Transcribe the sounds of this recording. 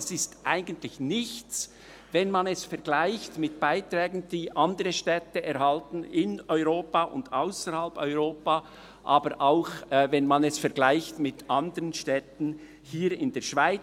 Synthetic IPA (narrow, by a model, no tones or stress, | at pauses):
sɪstʔaɪɡən̩tlɪçnɪçt͡s | vɛnmanɛsfɛɐɡlaɪçtmɪt̚b̥aɪtʁ̥ɛːɡn̩d̥iːʔɑndəʁəʃtɛtəʔɛɾhaltn̩ɪnɔʏʁoːpaʔʊ̰ndaʊsəɾhalpɔʏʁoːpaː | ʔaːbəɾʔaʊxvɛnmanɛsfɛɐɡlaɪçtmɪtʔandəʁənʃtɛtn̩ | hiːɾɪndeːɐʃv̥aɪ